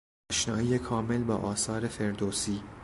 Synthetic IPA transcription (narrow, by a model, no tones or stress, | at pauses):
ʃnɒːʔijekʰɒːme̞lbɒ̰ːʔɒːsɒːɾe̞fe̞ɾd̪oːsiː